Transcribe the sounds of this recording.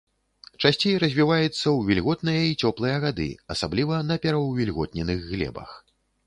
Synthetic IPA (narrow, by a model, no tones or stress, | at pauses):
t͡ʂasʲt͡sʲejɾɐzʲvʲivajut̪sːɐwvʲilʲɣɔt̪nɨjɐit͡sʲɔplˠɨjɐɣad̪ɨ̰ɐsablʲivɐnɐpʲɛɾɐwvʲilʲɣɔt̪̚nʲɛnɨɣːlʲɛ̰bɐ̰x